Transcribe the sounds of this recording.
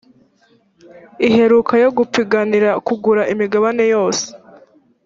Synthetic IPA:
iɦe̞ɾukʰajo̞ɡupiɡaniɾakuɡuɾaʔimiɡaβane̞jo̞ːse̥

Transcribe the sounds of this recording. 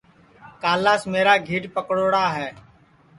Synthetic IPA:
kaːlaːsmeːɾaːɡʱiːʈpəkɽoːɽaːɦɛː

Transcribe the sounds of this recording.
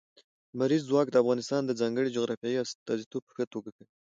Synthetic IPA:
maɾizːwɑk̚d̪əafɣɑnɪst̪ɑnd̪əd͡zɑŋɡəɽid͡ʒoɣɾɑfijɑjiast̪ɑzit̪ʰob̚pə̥xət̪oɡakawi

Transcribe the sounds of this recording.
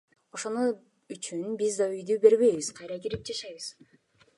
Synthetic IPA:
o̞ʃo̞nu | yt͡ʃynbizd̪ɑyjd̪yːbe̞ɾβe̞jβiz̥qʰɑjɾɑɡiɾip̚d͡ʒɑʃɑjβɯz̥

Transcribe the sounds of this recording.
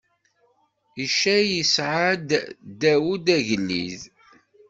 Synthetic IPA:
iʃæjəsʕad̪d̪æwud̪æʝəlːḭð

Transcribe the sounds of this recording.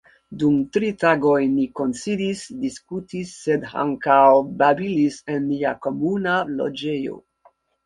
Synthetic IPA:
dumtɾitaɡojniko̞nt͡sidisdiskutisːeda̰ŋkawbabilisenmiakomunalo̰d͡ʒejo̞̰

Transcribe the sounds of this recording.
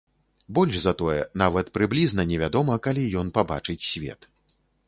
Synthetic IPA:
bɔlʲʐzɐt̪ɔjɛ̰navɐt̪pɾɨblʲiznɐnʲɛvʲad̪ɔmɐkalʲijɔn̪paba̰t͡ʂɨt͡sʲsʲvʲɛ̰t̪

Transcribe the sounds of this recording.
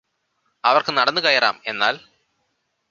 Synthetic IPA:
ɐʋɐrkɨnɐɽɐnːɨkɐjɐra̰ːme̞nːa̰ːl

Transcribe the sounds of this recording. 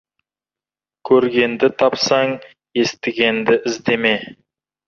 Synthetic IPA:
kʲʰɵɾɡʲe̞nd̪ɪt̪ʰɑpsɑɴ | je̞st̪ɪɡʲe̞nd̪ɪʔɪzd̪e̞me̞

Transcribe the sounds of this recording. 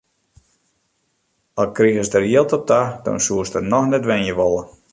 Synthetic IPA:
ɔlˠkriəsdərjiəlˠtɔp̚dadɔ̰nsuəstənɔxnɛtʋɛnjəʋolˠə

